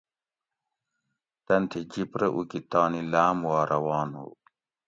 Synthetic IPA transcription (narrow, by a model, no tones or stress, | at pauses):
t̪ɐnt̪ʰid͡ʑipɾɐʔukit̪ɑːnilaːmwaːɾʔɐwɑːno̰ː